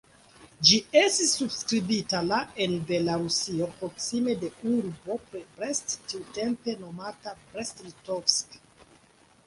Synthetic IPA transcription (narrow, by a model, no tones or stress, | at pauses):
d͡ʒiestisːubskɾibitalaenbelaɾusiopɾoksimedeuɾbopɾebɾestːitempenomatabɾestlitofsk